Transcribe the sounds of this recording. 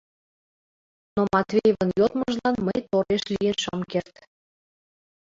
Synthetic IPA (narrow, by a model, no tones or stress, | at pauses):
nomɑt̪vʲejvənjot̪məʒlɑnməjt̪oɾeʃlʲijenʃəmkert̪